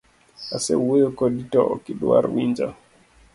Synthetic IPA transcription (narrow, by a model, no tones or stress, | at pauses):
asɛwekɔɗitɔɔ̰kiɗua̰ɾwind͡ʒa̰